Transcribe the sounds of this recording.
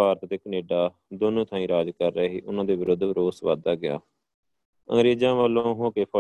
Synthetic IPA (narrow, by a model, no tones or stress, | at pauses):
aːɾt̪t̪eːkəneːɖaː | d̪oːnũːt̪ʰãːĩːɾaːd͡ʒkəɾːɦiːʔʊnãːd̪eːʋɪɾʊd̪ʱʋɾoːsʋa̰ːd̪aːɡɪja̰ː | ə̰ŋɡɾeːd͡ʒãːʋəlːõːɦõːkeːpʰɔ